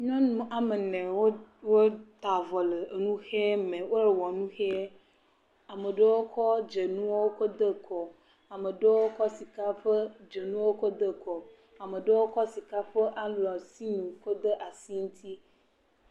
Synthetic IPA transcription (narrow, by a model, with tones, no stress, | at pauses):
ɲɔ̃˦nũ˨ʔa˨me˨nɛ̃˨wo˦wo˦t̪a˨vɔ˨le˨e˨nũ˦xe˦mẽ˨wo˦ɾe˨wɔ˨nũ˦xe˦ | a˨mə˨ɖə˦wo˦kʰɔ˦d͡ʒe˨nũ˦wo˦wo˦ko˦d̪ə˦kʰɔ˨ | a˨me˨ɖə˦wo˦kɔ˦si˨ka˦ɸə˦d͡ʒe˨nũ˦wo˦ko˦d̪ə˦kɔ˨ | a˨me˨ɖə˦wo˦kɔ˦si˨ka˦ɸə˦ʔa˦lɔ˨si˦nũ˨ko˦d̪ə˦ʔa˨si˦ŋũ˦t̪ʰi˦